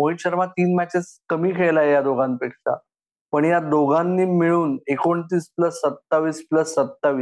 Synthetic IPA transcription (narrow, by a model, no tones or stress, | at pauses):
moiɕəɾmat̪iːnmæt͡ɕet͡skəmiːkʰeɭlajjad̪oɡanpekʂa̰ | pəɳjad̪oɡanːiːmiɭuːnekoɳt̪iːspləsːət̪ːaʋiːspləsːət̪ːaʋiː